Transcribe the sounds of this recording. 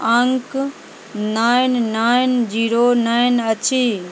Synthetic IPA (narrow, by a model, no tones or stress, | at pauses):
ãŋk | naːɪnnaːɪnd͡ʑiːɾonaːɪnɐt͡ɕʰiː